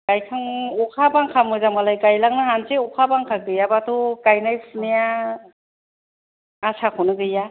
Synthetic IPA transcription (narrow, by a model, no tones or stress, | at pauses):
ɡajkʰaŋɔkʰabaŋkʰamɯzamɡalajkajlaŋnaɦanseɔkʰabaŋkʰak̚dɯjabatʰukajnajpʰunija | sakʰɔnɯɡɯja